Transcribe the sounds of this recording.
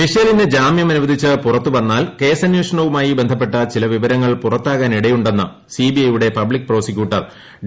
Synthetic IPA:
miʂɐjɐlined͡ʑaːmjɐmɐnuʋɐd̪ʱit͡ɕːɨpurɐt̪ːuʋɐnːaːlke̞ːsɐnjuːʂɐɳɐʋumaːjibe̞nd̪ʱɐpːe̞ʈːɐt͡ɕilɐʋiʋɐɾɐŋːɐɭpurɐt̪ːaːɣaːniɽɐjuɳɖe̞nːɐ | sibiɐjuɽe̞pɐblikːpro̞ːsikʲːuːʈːɐr

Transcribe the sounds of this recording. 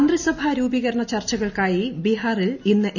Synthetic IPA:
nd̪risɐbʱaɾuːbiɣɐɾɐɳɐt͡ɕɐrt͡ɕːɐɣɐɭkaːjibiɦaːrilinːɨʔ

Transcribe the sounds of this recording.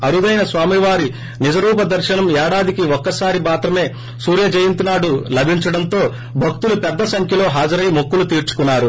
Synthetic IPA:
ɐɾud̪ɐjnɐsʋaːmiʋaːɾi | nid͡ʒɐɾuːpɐd̪ɐɾʃɐnɐmɛːɽaːd̪ikiɔkːɐsaːɾibaːt̪ɾɐme̞ː | suːɾjɐd͡ʒɐjint̪inaːɽulɐbʱiɲt͡ʃɐɽɐnt̪o̞ː | bʱɐk̚t̪ulupɛd̪ːɐsɐŋkʰjɐlo̞ːɦaːd͡ʒɐɾɐjmokːulut̪iːɾt͡ʃu̥kunːaːɾu

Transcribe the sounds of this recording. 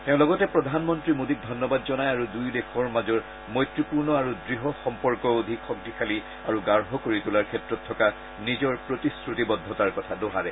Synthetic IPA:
tɛʊ̃lɔɡɔtɛpɹɔdʱanmɔntɹimodik̚dʱɔnːɔbadzɔnajaɹudujlekʰɔɹmazɔɹ | mɔjtɹipuɹnɔaɹudɹiɦɔxɔmpɔɹkɔod̪ʱikxɔk̚dikʰali | aɹuɡaɹɦɔkoɹitulaɹkʰɛtɹɔtʰːɔka | nizɔɹpɹotiskɹutibɔdʱːɔtaɹkɔtʰadɔɦaɹɛ

